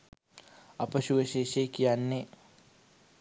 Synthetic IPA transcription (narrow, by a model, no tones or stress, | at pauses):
ɐpəʃuʋəʃeːʃeːkijanːe